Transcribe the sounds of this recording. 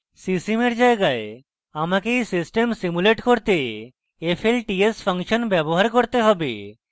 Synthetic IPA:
sisimeɾd͡ʒaeɡae | amakejsisʈemsimuleʈkoɾt̪e | epʰelʈiespʰɔŋʃɔnbɛboɦaɾkoɾt̪eɦɔbḛ

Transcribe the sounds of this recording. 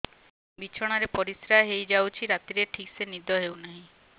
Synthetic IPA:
bit͡ʃʰɔɽ̃aɾepɔɾisɾaɦɦejd͡ʒawt͡ʃʰiɾat̪iɾeʈʰiksenid̪ɔɦewnaɦĩ

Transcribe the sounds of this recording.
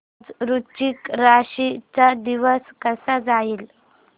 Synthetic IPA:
d͡zɾut͡ɕikɾaɕit͡sad̪iʋəskəsad͡zaiːl

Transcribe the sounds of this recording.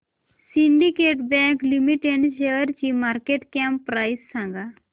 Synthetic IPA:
siɳɖikeʈbɛ̃klimiʈeɳɖɕeəɾt͡ɕiːmaɾkeʈkɛ̃mpːɾajsːãŋɡa

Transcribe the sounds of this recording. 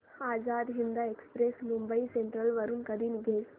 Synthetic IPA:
aːzaːd̪ɦind̪aekspɾesmumbəiseɳʈɾəlʋəɾuːnkəd̪iːnɡʱeːs

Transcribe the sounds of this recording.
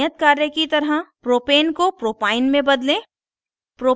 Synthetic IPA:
ət̪kaːɾjəkit̪ɐɾɦəpɾoːpeːnkopɾoːpaːɪnmẽbɐd̪lẽ | pɾoː

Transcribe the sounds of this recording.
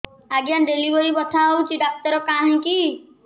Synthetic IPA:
aɡjãnɖeliʋəɾibət̪ʰaut͡ʃʰiɖak̚ʈəɾɔkãɦĩki

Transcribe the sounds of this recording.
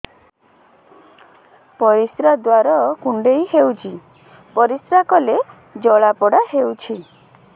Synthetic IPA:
pɔɾisɾad̪waɾɔkuɳɖejhewt͡ʃʰi | pɔɾisɾakɔle | d͡ʒɔɭapɔɽahewt͡ʃʰi

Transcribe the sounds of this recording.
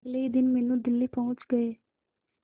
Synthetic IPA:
ɡleid̪ɪnmɛːnũːd̪ɪlːiːpɔ̃ʊt͡ʃɡəeː

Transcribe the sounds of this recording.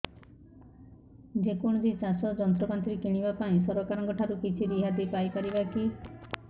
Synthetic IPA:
d͡ʒekoɽ̃ɔd͡ʒit͡ʃasɔd͡ʒɔnt̪ɔkant̪ɾekeɽ̃ibapaĩsɔɾɔkaɾɔŋkɔʈʰaɾukit͡ʃʰiɾiɦad̪ipajkɔɾibaki

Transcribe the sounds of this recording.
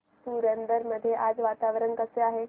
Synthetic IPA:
t̪uɾənd̪əɾməd̪ʱːjeʔaːd͡zʋaːt̪aʋɾəŋkəseaːɦe

